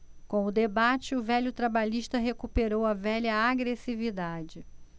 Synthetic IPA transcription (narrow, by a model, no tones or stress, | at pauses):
kõw̃ʊd̪ebat͡ʃɪʊvɛʎʊt̪ɾabaʎiʃt̪ɐɦekupeɾowɐvɛʎɐaɡɾesivid̪ad͡ʒɪ